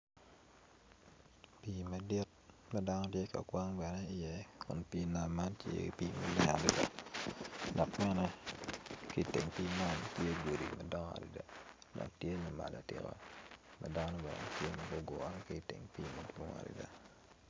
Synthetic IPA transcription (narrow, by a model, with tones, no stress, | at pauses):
pi˨ma˨di˦t̚ | mɛ˦da˦nɔ˦tje˦ka̰˨kwa˦ŋbɛ˨nɛ˦ɪ˨jɛ˦kʊ˨npiː˦na˨lma˦ntjḛ˦˨pi˦ma̰˨˦lɛ˦a̰˨dɪ˨da̰˦˨ | dɔ˨kmɛ˦nɛ˦ | kɪ˦tɪ˨ŋpi˦ma˦ntje˦ɡo˨di˨mɛ˦dɔ˦ŋa̰˨dḭ˨da˨dɔ̰˨k̚tje˦nɛ˨ma̰˨la̰˨tɪ̰˨ɾo̰˨ma˨da˦nɔ˦bɛ˨nɛ̰˦tje˦mɐ˨ɡo˦ɡo˨a˦n˦kɪ˦˨tɪ̰˨ŋpiː˦mo˦do˦ŋa̰˨dḭ˨da˨